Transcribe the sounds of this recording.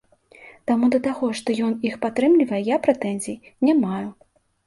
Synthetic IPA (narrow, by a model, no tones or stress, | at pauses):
t̪amud̪ɐt̪aɣɔʂt̪ɔjɔnixpat̪ɾɨmlʲivɐjɛjapɾɛt̪ɛnʲzʲijnʲamaju